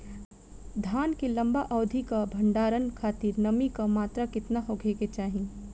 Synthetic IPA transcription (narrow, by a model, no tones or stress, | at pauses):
d̪ʱaːnkilɐ̃mbaʔɔːd̪ʱikabʱɐ̃ɳɖaːɾənkʰaːt̪iːɾnɐmikamaːt̪ɾakɪt̪naɦoɡʱeːket͡ʃaːɦĩ